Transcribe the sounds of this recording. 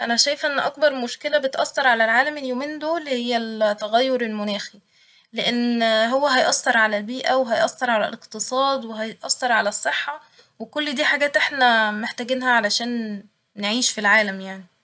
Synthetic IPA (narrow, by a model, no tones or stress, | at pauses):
ʔænæʃæjefʔenːʔɑ̰k̚bɑɾˤmoʃkelæbet̪ʔɑsːɑɾˤʕalælʕaːlæmeljoːmiːnd̪oːlhejːælt̪ːæɣæjːoɾelmonæːxi | leʔenːɦowːæɦæjʔɑsːɑɾˤʕalælbiːʔæweɦæjʔɑ̰sːɑɾˤʕalæ̰leqt̪esˤɑːd̪weɦæjʔɑ̰sːɑɾˤʕalæsˤːeħːɑ | wekolːd̪iːħaɡæːt̪ʔeħnæmeħt̪æɡenɦæʕalæʃæːn | neʕiːʃfilʕaːlæmjaʕni